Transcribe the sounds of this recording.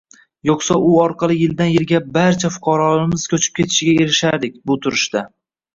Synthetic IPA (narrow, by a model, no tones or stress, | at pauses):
joqsaʔʊɒɾqʰɑlˠɪjɪld̪anjɪlɡʲabaɾt͡ʃʰafʊ̥qʰɑɾɒɪmɪz̥kʲʰɵt͡ʃʰɪ̥p̚kʲʰe̞t̪ʰɪ̥ʃɪɡʲae̞ɾɪʃaɾd̪ɪk̚ʲbʊt̪ʰʊɾɪʃt̪a